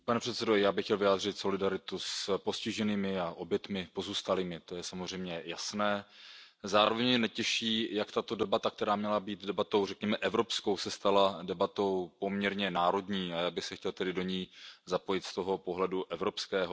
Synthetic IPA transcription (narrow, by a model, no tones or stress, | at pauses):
panɛpr̝̥ɛt̪sɛdojaːbɪxcɛlvɪjaːd̪r̝ɪt̪so̞lɪdaɾɪt̪uspo̞scɪʒɛniːmɪaʔo̞bjɛt̪mɪpo̞zuːst̪aliːmɪt̪o̞jɛsamozr̝ɛjmɲɛjasnɛː | zaːɾovɛɲmɛnɛcɛʃiːjakt̪at̪o̞dɛbat̪ak̚t̪ɛɾaːmɲɛlabiːt̪dɛbat̪o̞wrɛkɲɛmɛʔɛvɾo̞psko̞wsɛst̪aladɛbat̪o̞wpo̞mɲɛɾɲɛnaːɾo̞dɲiːajaːbɪxsɛxcɛlt̪ɛdɪdo̞ɲiːzapo̞jɪt̪st̪o̞ɦo̞po̞ɦlɛduʔɛvɾo̞pskɛːɦo